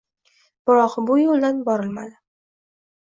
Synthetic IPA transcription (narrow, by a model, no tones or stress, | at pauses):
b̥ɪɾɒqbʊjolˠd̪anbɒɾɪlma̰d̪ɪ